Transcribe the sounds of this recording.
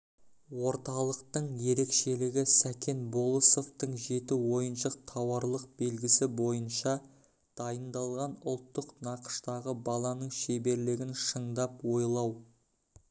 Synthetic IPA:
wo̞ɾt̪ɑlˠəqt̪əɴje̞ɾe̞kʃe̞lɪɡʲɪsækʲʰe̞nbo̞lˠəso̞ft̪əɴʒe̞t̪ɪwo̞jənʃəq̚t̪ʰɑwɑɾlˠəq̚be̞lɡʲɪsɪbo̞jənʃɑ | d̪̥ɑjənd̪ɑlˠʁɑnʊlˠt̪ːəqnɑqə̥ʃt̪ɑʁəbɑlˠɑnəɴʃebe̞ɾlɪɡʲɪnʃəɴd̪ɑpwo̞jlˠɑw

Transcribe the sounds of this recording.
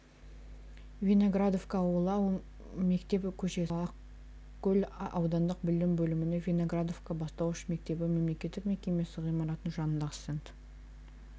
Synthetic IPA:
vʲino̞ɡrad̪o̞fkawəlˠɑw | me̞kt̪e̞pɪkʲʰɵʃe̞ɑq | kʲʰːɵlɑwd̪ɑnd̪əq̚bɪld̪ɪmbɵlɪmɪnevʲino̞ɡrad̪o̞vkabɑst̪ɑwʃme̞k̚t̪e̞bɪme̞mle̞kʲe̞t̪ːɪkme̞kʲe̞me̞sɪʁijmɑɾɑt̪ənʒɑnənd̪ɑʁə̥sent̪

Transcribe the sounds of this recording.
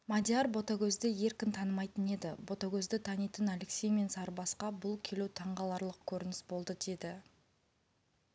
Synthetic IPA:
mad̪ʲjarbo̞t̪akʲʰɵzd̪ɪje̞ɾkʲɪnt̪ʰɑnəmɑjt̪əne̞d̪ɪbo̞t̪akʲʰɵzd̪ɪt̪ʰɑnijt̪ənaleksʲejme̞nsɑɾbɑsqɑbʊlˠkʲʰe̞lut̪ʰɑɴʁɑlˠɑɾlˠəq̚kʲʰɵɾɪnɪsbo̞lˠd̪əd̪e̞d̪ɪ

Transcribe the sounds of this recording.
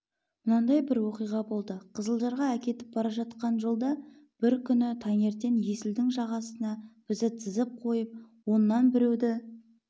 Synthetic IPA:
mʊnɑnd̪ɑjbɪɾwo̞qijʁɑbo̞lˠd̪əqʰəzəlˠʒɑɾʁɑækʲe̞t̪ɪ̥p̚bɑɾɑʒɑt̪qɑnʒolˠd̪ɑ | b̥ɪɾkʲʰʏnɪt̪ʰɑŋe̞ɾt̪e̞nje̞sɪld̪ɪŋʒɑʁɑsənɑb̥ɪzɪt̪ʰɪzɪp̚qʰo̞jəp̚ | wo̞nːɑnbɪɾewd̪ɪ

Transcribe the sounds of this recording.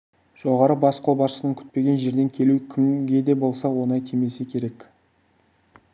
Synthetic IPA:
ʒ̥o̞ʁɑɾəbɑsqʰo̞lˠbɑʃəsənəŋkʲʰʏ̥t̪̚pe̞ɡʲe̞nʒe̞ɾd̪e̞ŋkʲʰe̞lukʲʰɪmɡʲe̞d̪e̞bo̞lˠsɑwo̞nɑjt̪ʲʰeme̞sekʲʰe̞ɾe̞k

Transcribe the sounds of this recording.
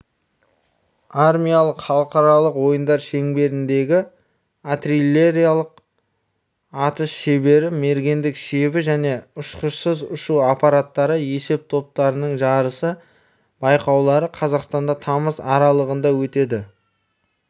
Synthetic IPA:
armʲijalˠəqχɑlˠəqɑɾɑlˠəqwo̞jənd̪ɑɾʃe̞ŋbe̞ɾɪnd̪e̞ɡʲɪ | at̪rilʲːe̞ɾijalˠəq | ɑt̪əsʃebe̞ɾɪme̞ɾɡʲe̞nd̪ɪkʃeβɪʒæne̞ʊʃqəʃsəzʊʃuɑpɑɾat̪ːɑɾəje̞se̞p̚t̪ʰo̞p̚t̪ɑɾənəɴʒɑɾəsə | b̥ɑjqɑwlˠɑɾəqʰɑzɑqst̪ɑnd̪ɑt̪ʰɑməzɑɾɑlˠəʁənd̪ɑwɵt̪e̞d̪ɪ

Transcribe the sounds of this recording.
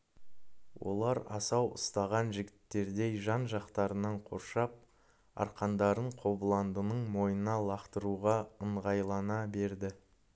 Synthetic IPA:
wʔo̞̰lˠɑɾɑ̰sɑwʊ̰st̪ɑʁɑnʒɪɡʲɪt̪ːe̞ɾd̪e̞jʒɑnʒɑqt̪ɑɾənɑɴqʰo̞̰ɾʃɑp̚ | ɑ̰ɾqɑnd̪ɑɾəɴqʰo̞bəlˠɑnd̪ənəɴmo̞jənnɑlˠɑqt̪əɾuʁɑəɴʁɑjlˠɑnɑbe̞ɾd̪ɪ

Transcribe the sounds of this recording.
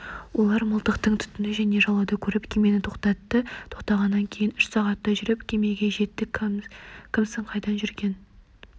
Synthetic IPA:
wo̞lˠɑɾməlˠt̪əqt̪əɴt̪ʰʏ̥t̪ɪnɪʒæne̞ʒɑlˠɑd̪ɑkʲʰɵɾɪpkʲʰeme̞nɪt̪ʰo̞qt̪ɑt̪ːət̪ʰo̞qt̪ɑʁɑnːɑŋkʲʰe̞jɪnʏʃsɑʁɑt̪ːɑʒʏɾɪpkʲʰe̞me̞ɡʲe̞ʒe̞t̪ːɪk | kʲʰɪmsɪɴqʰɑjd̪ɑnʒʏɾɡʲe̞n

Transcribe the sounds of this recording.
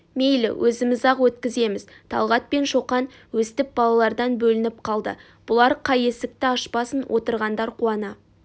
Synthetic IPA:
me̞jlɪ̰wʔɵzɪmɪzɑqwɵt̪kʲɪze̞mɪz | t̪ʰɑ̰lˠʁɑt̪̚pe̞nʃo̞qɑn | wɵst̪ɪp̚bɑlˠɑlˠɑɾd̪ɑnbɵlɪnɪp̚qʰɑlˠd̪ə̰ | b̥ʊlˠɑɾqʰɑje̞sɪk̚t̪ɪɑʃpɑsənwʔo̞t̪əɾʁɑnd̪ɑɾqʰuɑnɑ

